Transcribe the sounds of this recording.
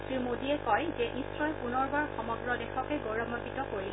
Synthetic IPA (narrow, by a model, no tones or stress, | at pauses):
tɹimodiɛkɔjzɛnisɹɔjpunɔɹbaɹxɔmɔɡɹɔdɛxɔkɛɡoɹɔmɔbitɔkoɹil